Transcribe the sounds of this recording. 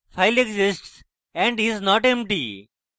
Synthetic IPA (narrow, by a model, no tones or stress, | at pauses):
faɪleɡzɪsʈs | ɛ̃ɳɖiznɔːʈɛ̃mp̚ʈḭ